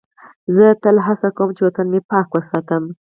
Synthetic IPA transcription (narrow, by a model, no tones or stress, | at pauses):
zət̪əlɦasakowmt͡ʃewot̪ənmepɑkwəsɑt̪əm